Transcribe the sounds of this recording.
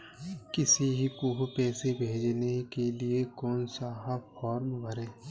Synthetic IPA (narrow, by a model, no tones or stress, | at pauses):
kɪsiɦikuːɦpɛːsebʱeːd͡ʒnekeliekɔːnsaːɦafʰɔːɾmbəɾeː